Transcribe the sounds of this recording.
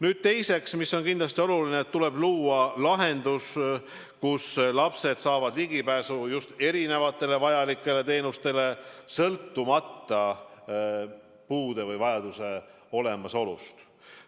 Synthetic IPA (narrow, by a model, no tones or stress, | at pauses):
nyːd̪̥̚t̪e̞jse̞ksmisːo̞nkind̪lɑst̪io̞lulineːt̪ːule̞b̥luːɑlɑɦe̞nd̪us | kuslɑpse̞d̪̥sɑːvɑd̪liɡipæːsujust̪e̞ɾine̞vɑt̪ːˑe̞le̞vɑjɑlikːˑe̞le̞t̪e̞ːnust̪e̞le̞sɤlt̪ːumɑt̪ːɑ | puːd̪̥e̞vɯjvɑjɑd̪̥use̞ | o̞le̞mɑso̞lṵst̪